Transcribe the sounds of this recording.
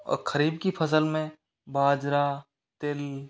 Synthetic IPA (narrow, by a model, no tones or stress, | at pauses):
kʰəɾiːb̚kipʰɐs̬əlmẽ | baːd͡ʒɾa | t̪ɪl